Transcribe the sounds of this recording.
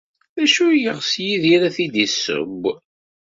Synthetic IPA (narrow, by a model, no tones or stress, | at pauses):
æʃujəʁsjiðiɾæθid̪isːə̰b